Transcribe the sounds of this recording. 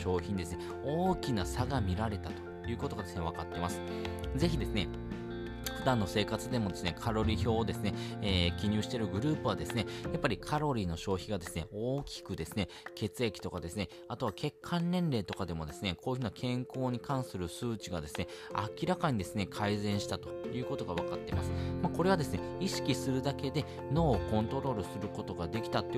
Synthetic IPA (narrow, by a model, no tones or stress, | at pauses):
ɕo̞ːçiɲ̟id̪e̞sɨne | o̞ːkʲinasaɡamʲiɾaɾe̞t̪at̪o̞̥ | jɯ̟ːkot̪o̞ɡad̪e̞sɨne̞β̞akat̪ːe̞masɨ̥ | d͡ze̞çid̪e̞sɨne | ɸɯ̟d̪ãnːo̞se̞ːkat͡sɨd̪e̞mo̞d̪e̞sɨne̞kʰaɾo̞ɾʲiço̞ːd̪e̞sɨne̞eːkʲiɲ̟ɨːɕi̥t̪e̞ɾɯ̟ɡɯ̟ɾɯ̟ːpɯ̟βad̪e̞sɨne̞japːaɾʲikʰaɾo̞ɾʲiːno̞ɕo̞ːçiɡad̪e̞sɨne̞oːkʲi̥kɯ̟d̪e̞sɨne̞ | ke̞t͡sɨe̞kʲi̥t̪o̞kad̪e̞sɨne̞ | at̪o̞β̞akʰe̞kʰːãnːẽ̞nɾe̞ːt̪o̞kad̪e̞mo̞d̪e̞sɨne̞kʰo̞ːjɯɯ̟nakʰẽ̞ŋko̞ːɲ̟ikãɰ̃sɨɾɯ̟sɨːt͡ɕiɡad̪e̞sɨne̞ | a̰kʲiɾakaɲ̟id̪e̞sɨne̞kʰaizẽ̞ɰ̃ɕi̥t̪at̪o̞̥jɯ̟ːko̞t̪o̞ɡaβ̞akat̪ːe̞ma̰sɨ̥mako̞ɾe̞β̞ad̪e̞sɨne̞iɕi̥kʲisɨɾɯ̟d̪ake̞d̪e̞ | no̞ːkõ̞nt̪o̞ɾo̞ːɾɯ̟sɨɾɯ̟ko̞t̪o̞ɡad̪e̞kʲi̥t̪at̪ːe